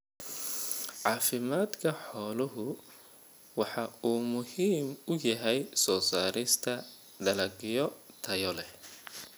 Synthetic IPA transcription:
ʕɑːfɪmaːd̪kʰɐħɔːlʊɦʊ | wɑħɑuːmʊhiːmʊjɐɦɛjsɔːsaːɾɪst̪ʰɐ | ɖ̪ɐlɐɡɪjɔt̪ʰɐjɔlɛh

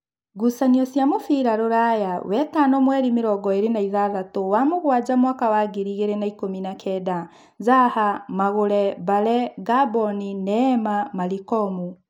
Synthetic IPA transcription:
ɡusaniɔsjamofiɾaɾoɾajawɛtanɔmwɛːɾimiɾɔɡɔeɾenaiðaðatowamoɣwad͡ʒamwaːkawaɡeɾiɣeɾenaikominakʰɛda | zahamaɣoɾɛβalɛɡabɔninɛmamalikɔmu

